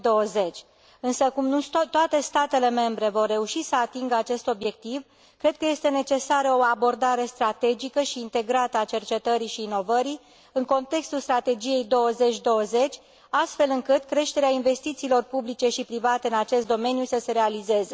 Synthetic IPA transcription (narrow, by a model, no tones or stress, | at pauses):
d̪o̞əze̞t͡ʃʲ | ɨnsəkumnut̪oat̪e̞st̪at̪e̞le̞me̞mbɾe̞vo̞rːe̞uʃisəat̪iŋɡəat͡ʃe̞st̪o̞bje̞k̚t̪iv | kɾe̞d̪̥̚kəje̞st̪e̞ne̞t͡ʃe̞saɾəoabo̞rd̪aɾe̞st̪ɾat̪e̞d͡ʒikəʃiːnt̪e̞ɡɾat̪əat͡ʃe̞rt͡ʃe̞t̪əɾiʃiːno̞vəɾi | ɨŋko̞nt̪e̞kst̪ulst̪ɾat̪e̞d͡ʒije̞jd̪o̞wəze̞t͡ʃʲd̪o̞wəze̞t͡ʃʲ | ast̪fe̞lɨŋkɨt̪kɾe̞ʃt̪e̞ɾeainve̞st̪it̪siːlo̞rpublit͡ʃe̞ʃipɾivat̪e̞ɨnat͡ʃe̞st̪d̪o̞me̞njusəse̞ɾe̞alize̞ze